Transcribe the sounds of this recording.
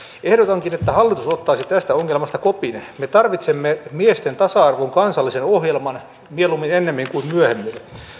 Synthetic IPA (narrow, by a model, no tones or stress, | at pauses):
ehdot̪ɑŋkinet̪ːæhɑlːit̪usot̪ːɑːsit̪æst̪æoŋːelmɑst̪ɑkopinmet̪ɑrʋit̪semːemiest̪ent̪ɑsɑɑrʋoŋkɑnsɑlːisenohjelmɑn | mielumːinenːemːiŋkuimmyøhemːil